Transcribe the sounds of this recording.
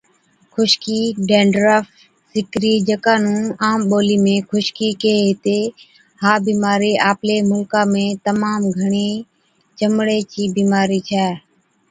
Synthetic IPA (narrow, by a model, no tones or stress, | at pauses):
kʰʊʃkiːɖeːɳɖɾaːf | sɪkɾiːd͡ʒəkaːnũːaːmɓoːliːmẽːkʰʊʃkiːkeːɦɪt̪eː | haːbiːmaːɾiːʔaːpleːmʊlkãːmẽːt̪əmaːmɡʱəɳ̃iː | t͡ʃəmɽeːt͡ʃiːbiːmaːɾiːt͡ʃʰɛː